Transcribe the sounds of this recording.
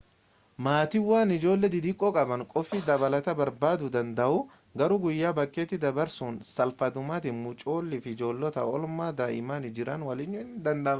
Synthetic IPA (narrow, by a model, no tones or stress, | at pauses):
maːt̪ɪwːaːnɪd͡ʒo̞ːlːɛd̪ɪd̪ikʼɔkʼɐbɐŋkʼɔfɪd̪ɐbɐlɐt̪ɐbɐɾbaːd̪ʊd̪ɐnd̪ɐʔʊ | ɡɐɾuːɡʊjːaːbɐkʼːe̞ːt̪ːɪd̪ɐbɐɾsuːnsɐlfɐd̪ʊmaːt̪ɪnmʊt͡ʃʼo̞ːlːɪfɪd͡ʒo̞ːlːɔt̪ɐɔlmaːd̪aʔɪmaːnɪd͡ʒɪɾɐnwɐlɪɲːʊɪnd̪ɐnd̪ɐ